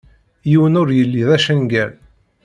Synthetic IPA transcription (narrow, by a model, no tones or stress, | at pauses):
jiwənʊɾjəlːiðæʃənɡæl